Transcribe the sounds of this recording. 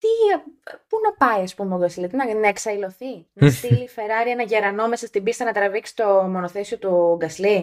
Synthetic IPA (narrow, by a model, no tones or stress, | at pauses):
t̪i | punɐpɐiɐspumeoɡɐslit̪inɐnɐeksɐilo̞θinɐst̪ilife̞ɾɐɾienɐʝeɾɐno̞me̞sɐst̪ibist̪ɐnɐt̪ɾɐviksi̥t̪o̞mo̞noθesio̞t̪uɡɐsli